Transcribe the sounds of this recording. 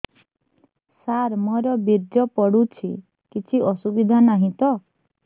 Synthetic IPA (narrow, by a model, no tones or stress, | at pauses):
saɾmɔɾɔbiɾd͡ʒɔpɔɽut͡ʃʰi | kit͡ʃʰiɔsubid̪ʱanaɦĩt̪ɔ